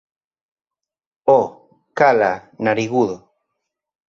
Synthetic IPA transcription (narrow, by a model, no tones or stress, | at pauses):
o | kalanaɾiɣuðo